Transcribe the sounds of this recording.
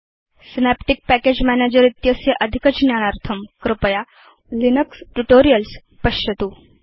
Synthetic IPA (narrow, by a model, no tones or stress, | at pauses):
sinæpʈik̚pækeːd͡ʒmæneːd͡ʒəɾit̪jəsjɐʔɐd̪ʱikət͡ʃnjaːnaɾt̪ʰɐmkɾɪpəja | linəksʈuʈoːɾijəls | pɐʃɐt̪uː